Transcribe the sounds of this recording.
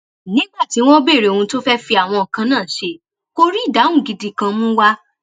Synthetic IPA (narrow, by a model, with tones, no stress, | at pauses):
nĩ˦ɡ͡ba˦˨ti˨˦w̃ɔ̃˦be˦˨ɾe˨ũ˧to˦fɛ˦fi˧˦a˨w̃ɔ̃˧ɔ˨kã˧nãː˦˨ʃe˧ | ko˦ɾi˦˨da˨˦ũ˦˨ɡi˨˧di˧˨kã˧mũ˦wa˦